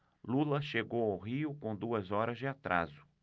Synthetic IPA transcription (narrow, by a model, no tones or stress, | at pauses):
lulɐʃeɡowawɦiʊkõd̪uɐzɔɾɐzd͡ʒɪat̪ɾa̰zʊ̥